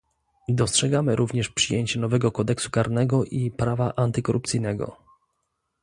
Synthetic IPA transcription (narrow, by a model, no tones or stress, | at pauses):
d̪ɔstʂɛɡamɘɾʔuvɲɛʂpʂɘjeɲt͡ɕɛnɔvɛɡɔkɔd̪ɛksu̥kaɾnɛɡɔʔipɾavaʔant̪ɘkɔɾʔup̚t̪sijnɛɡɔ̰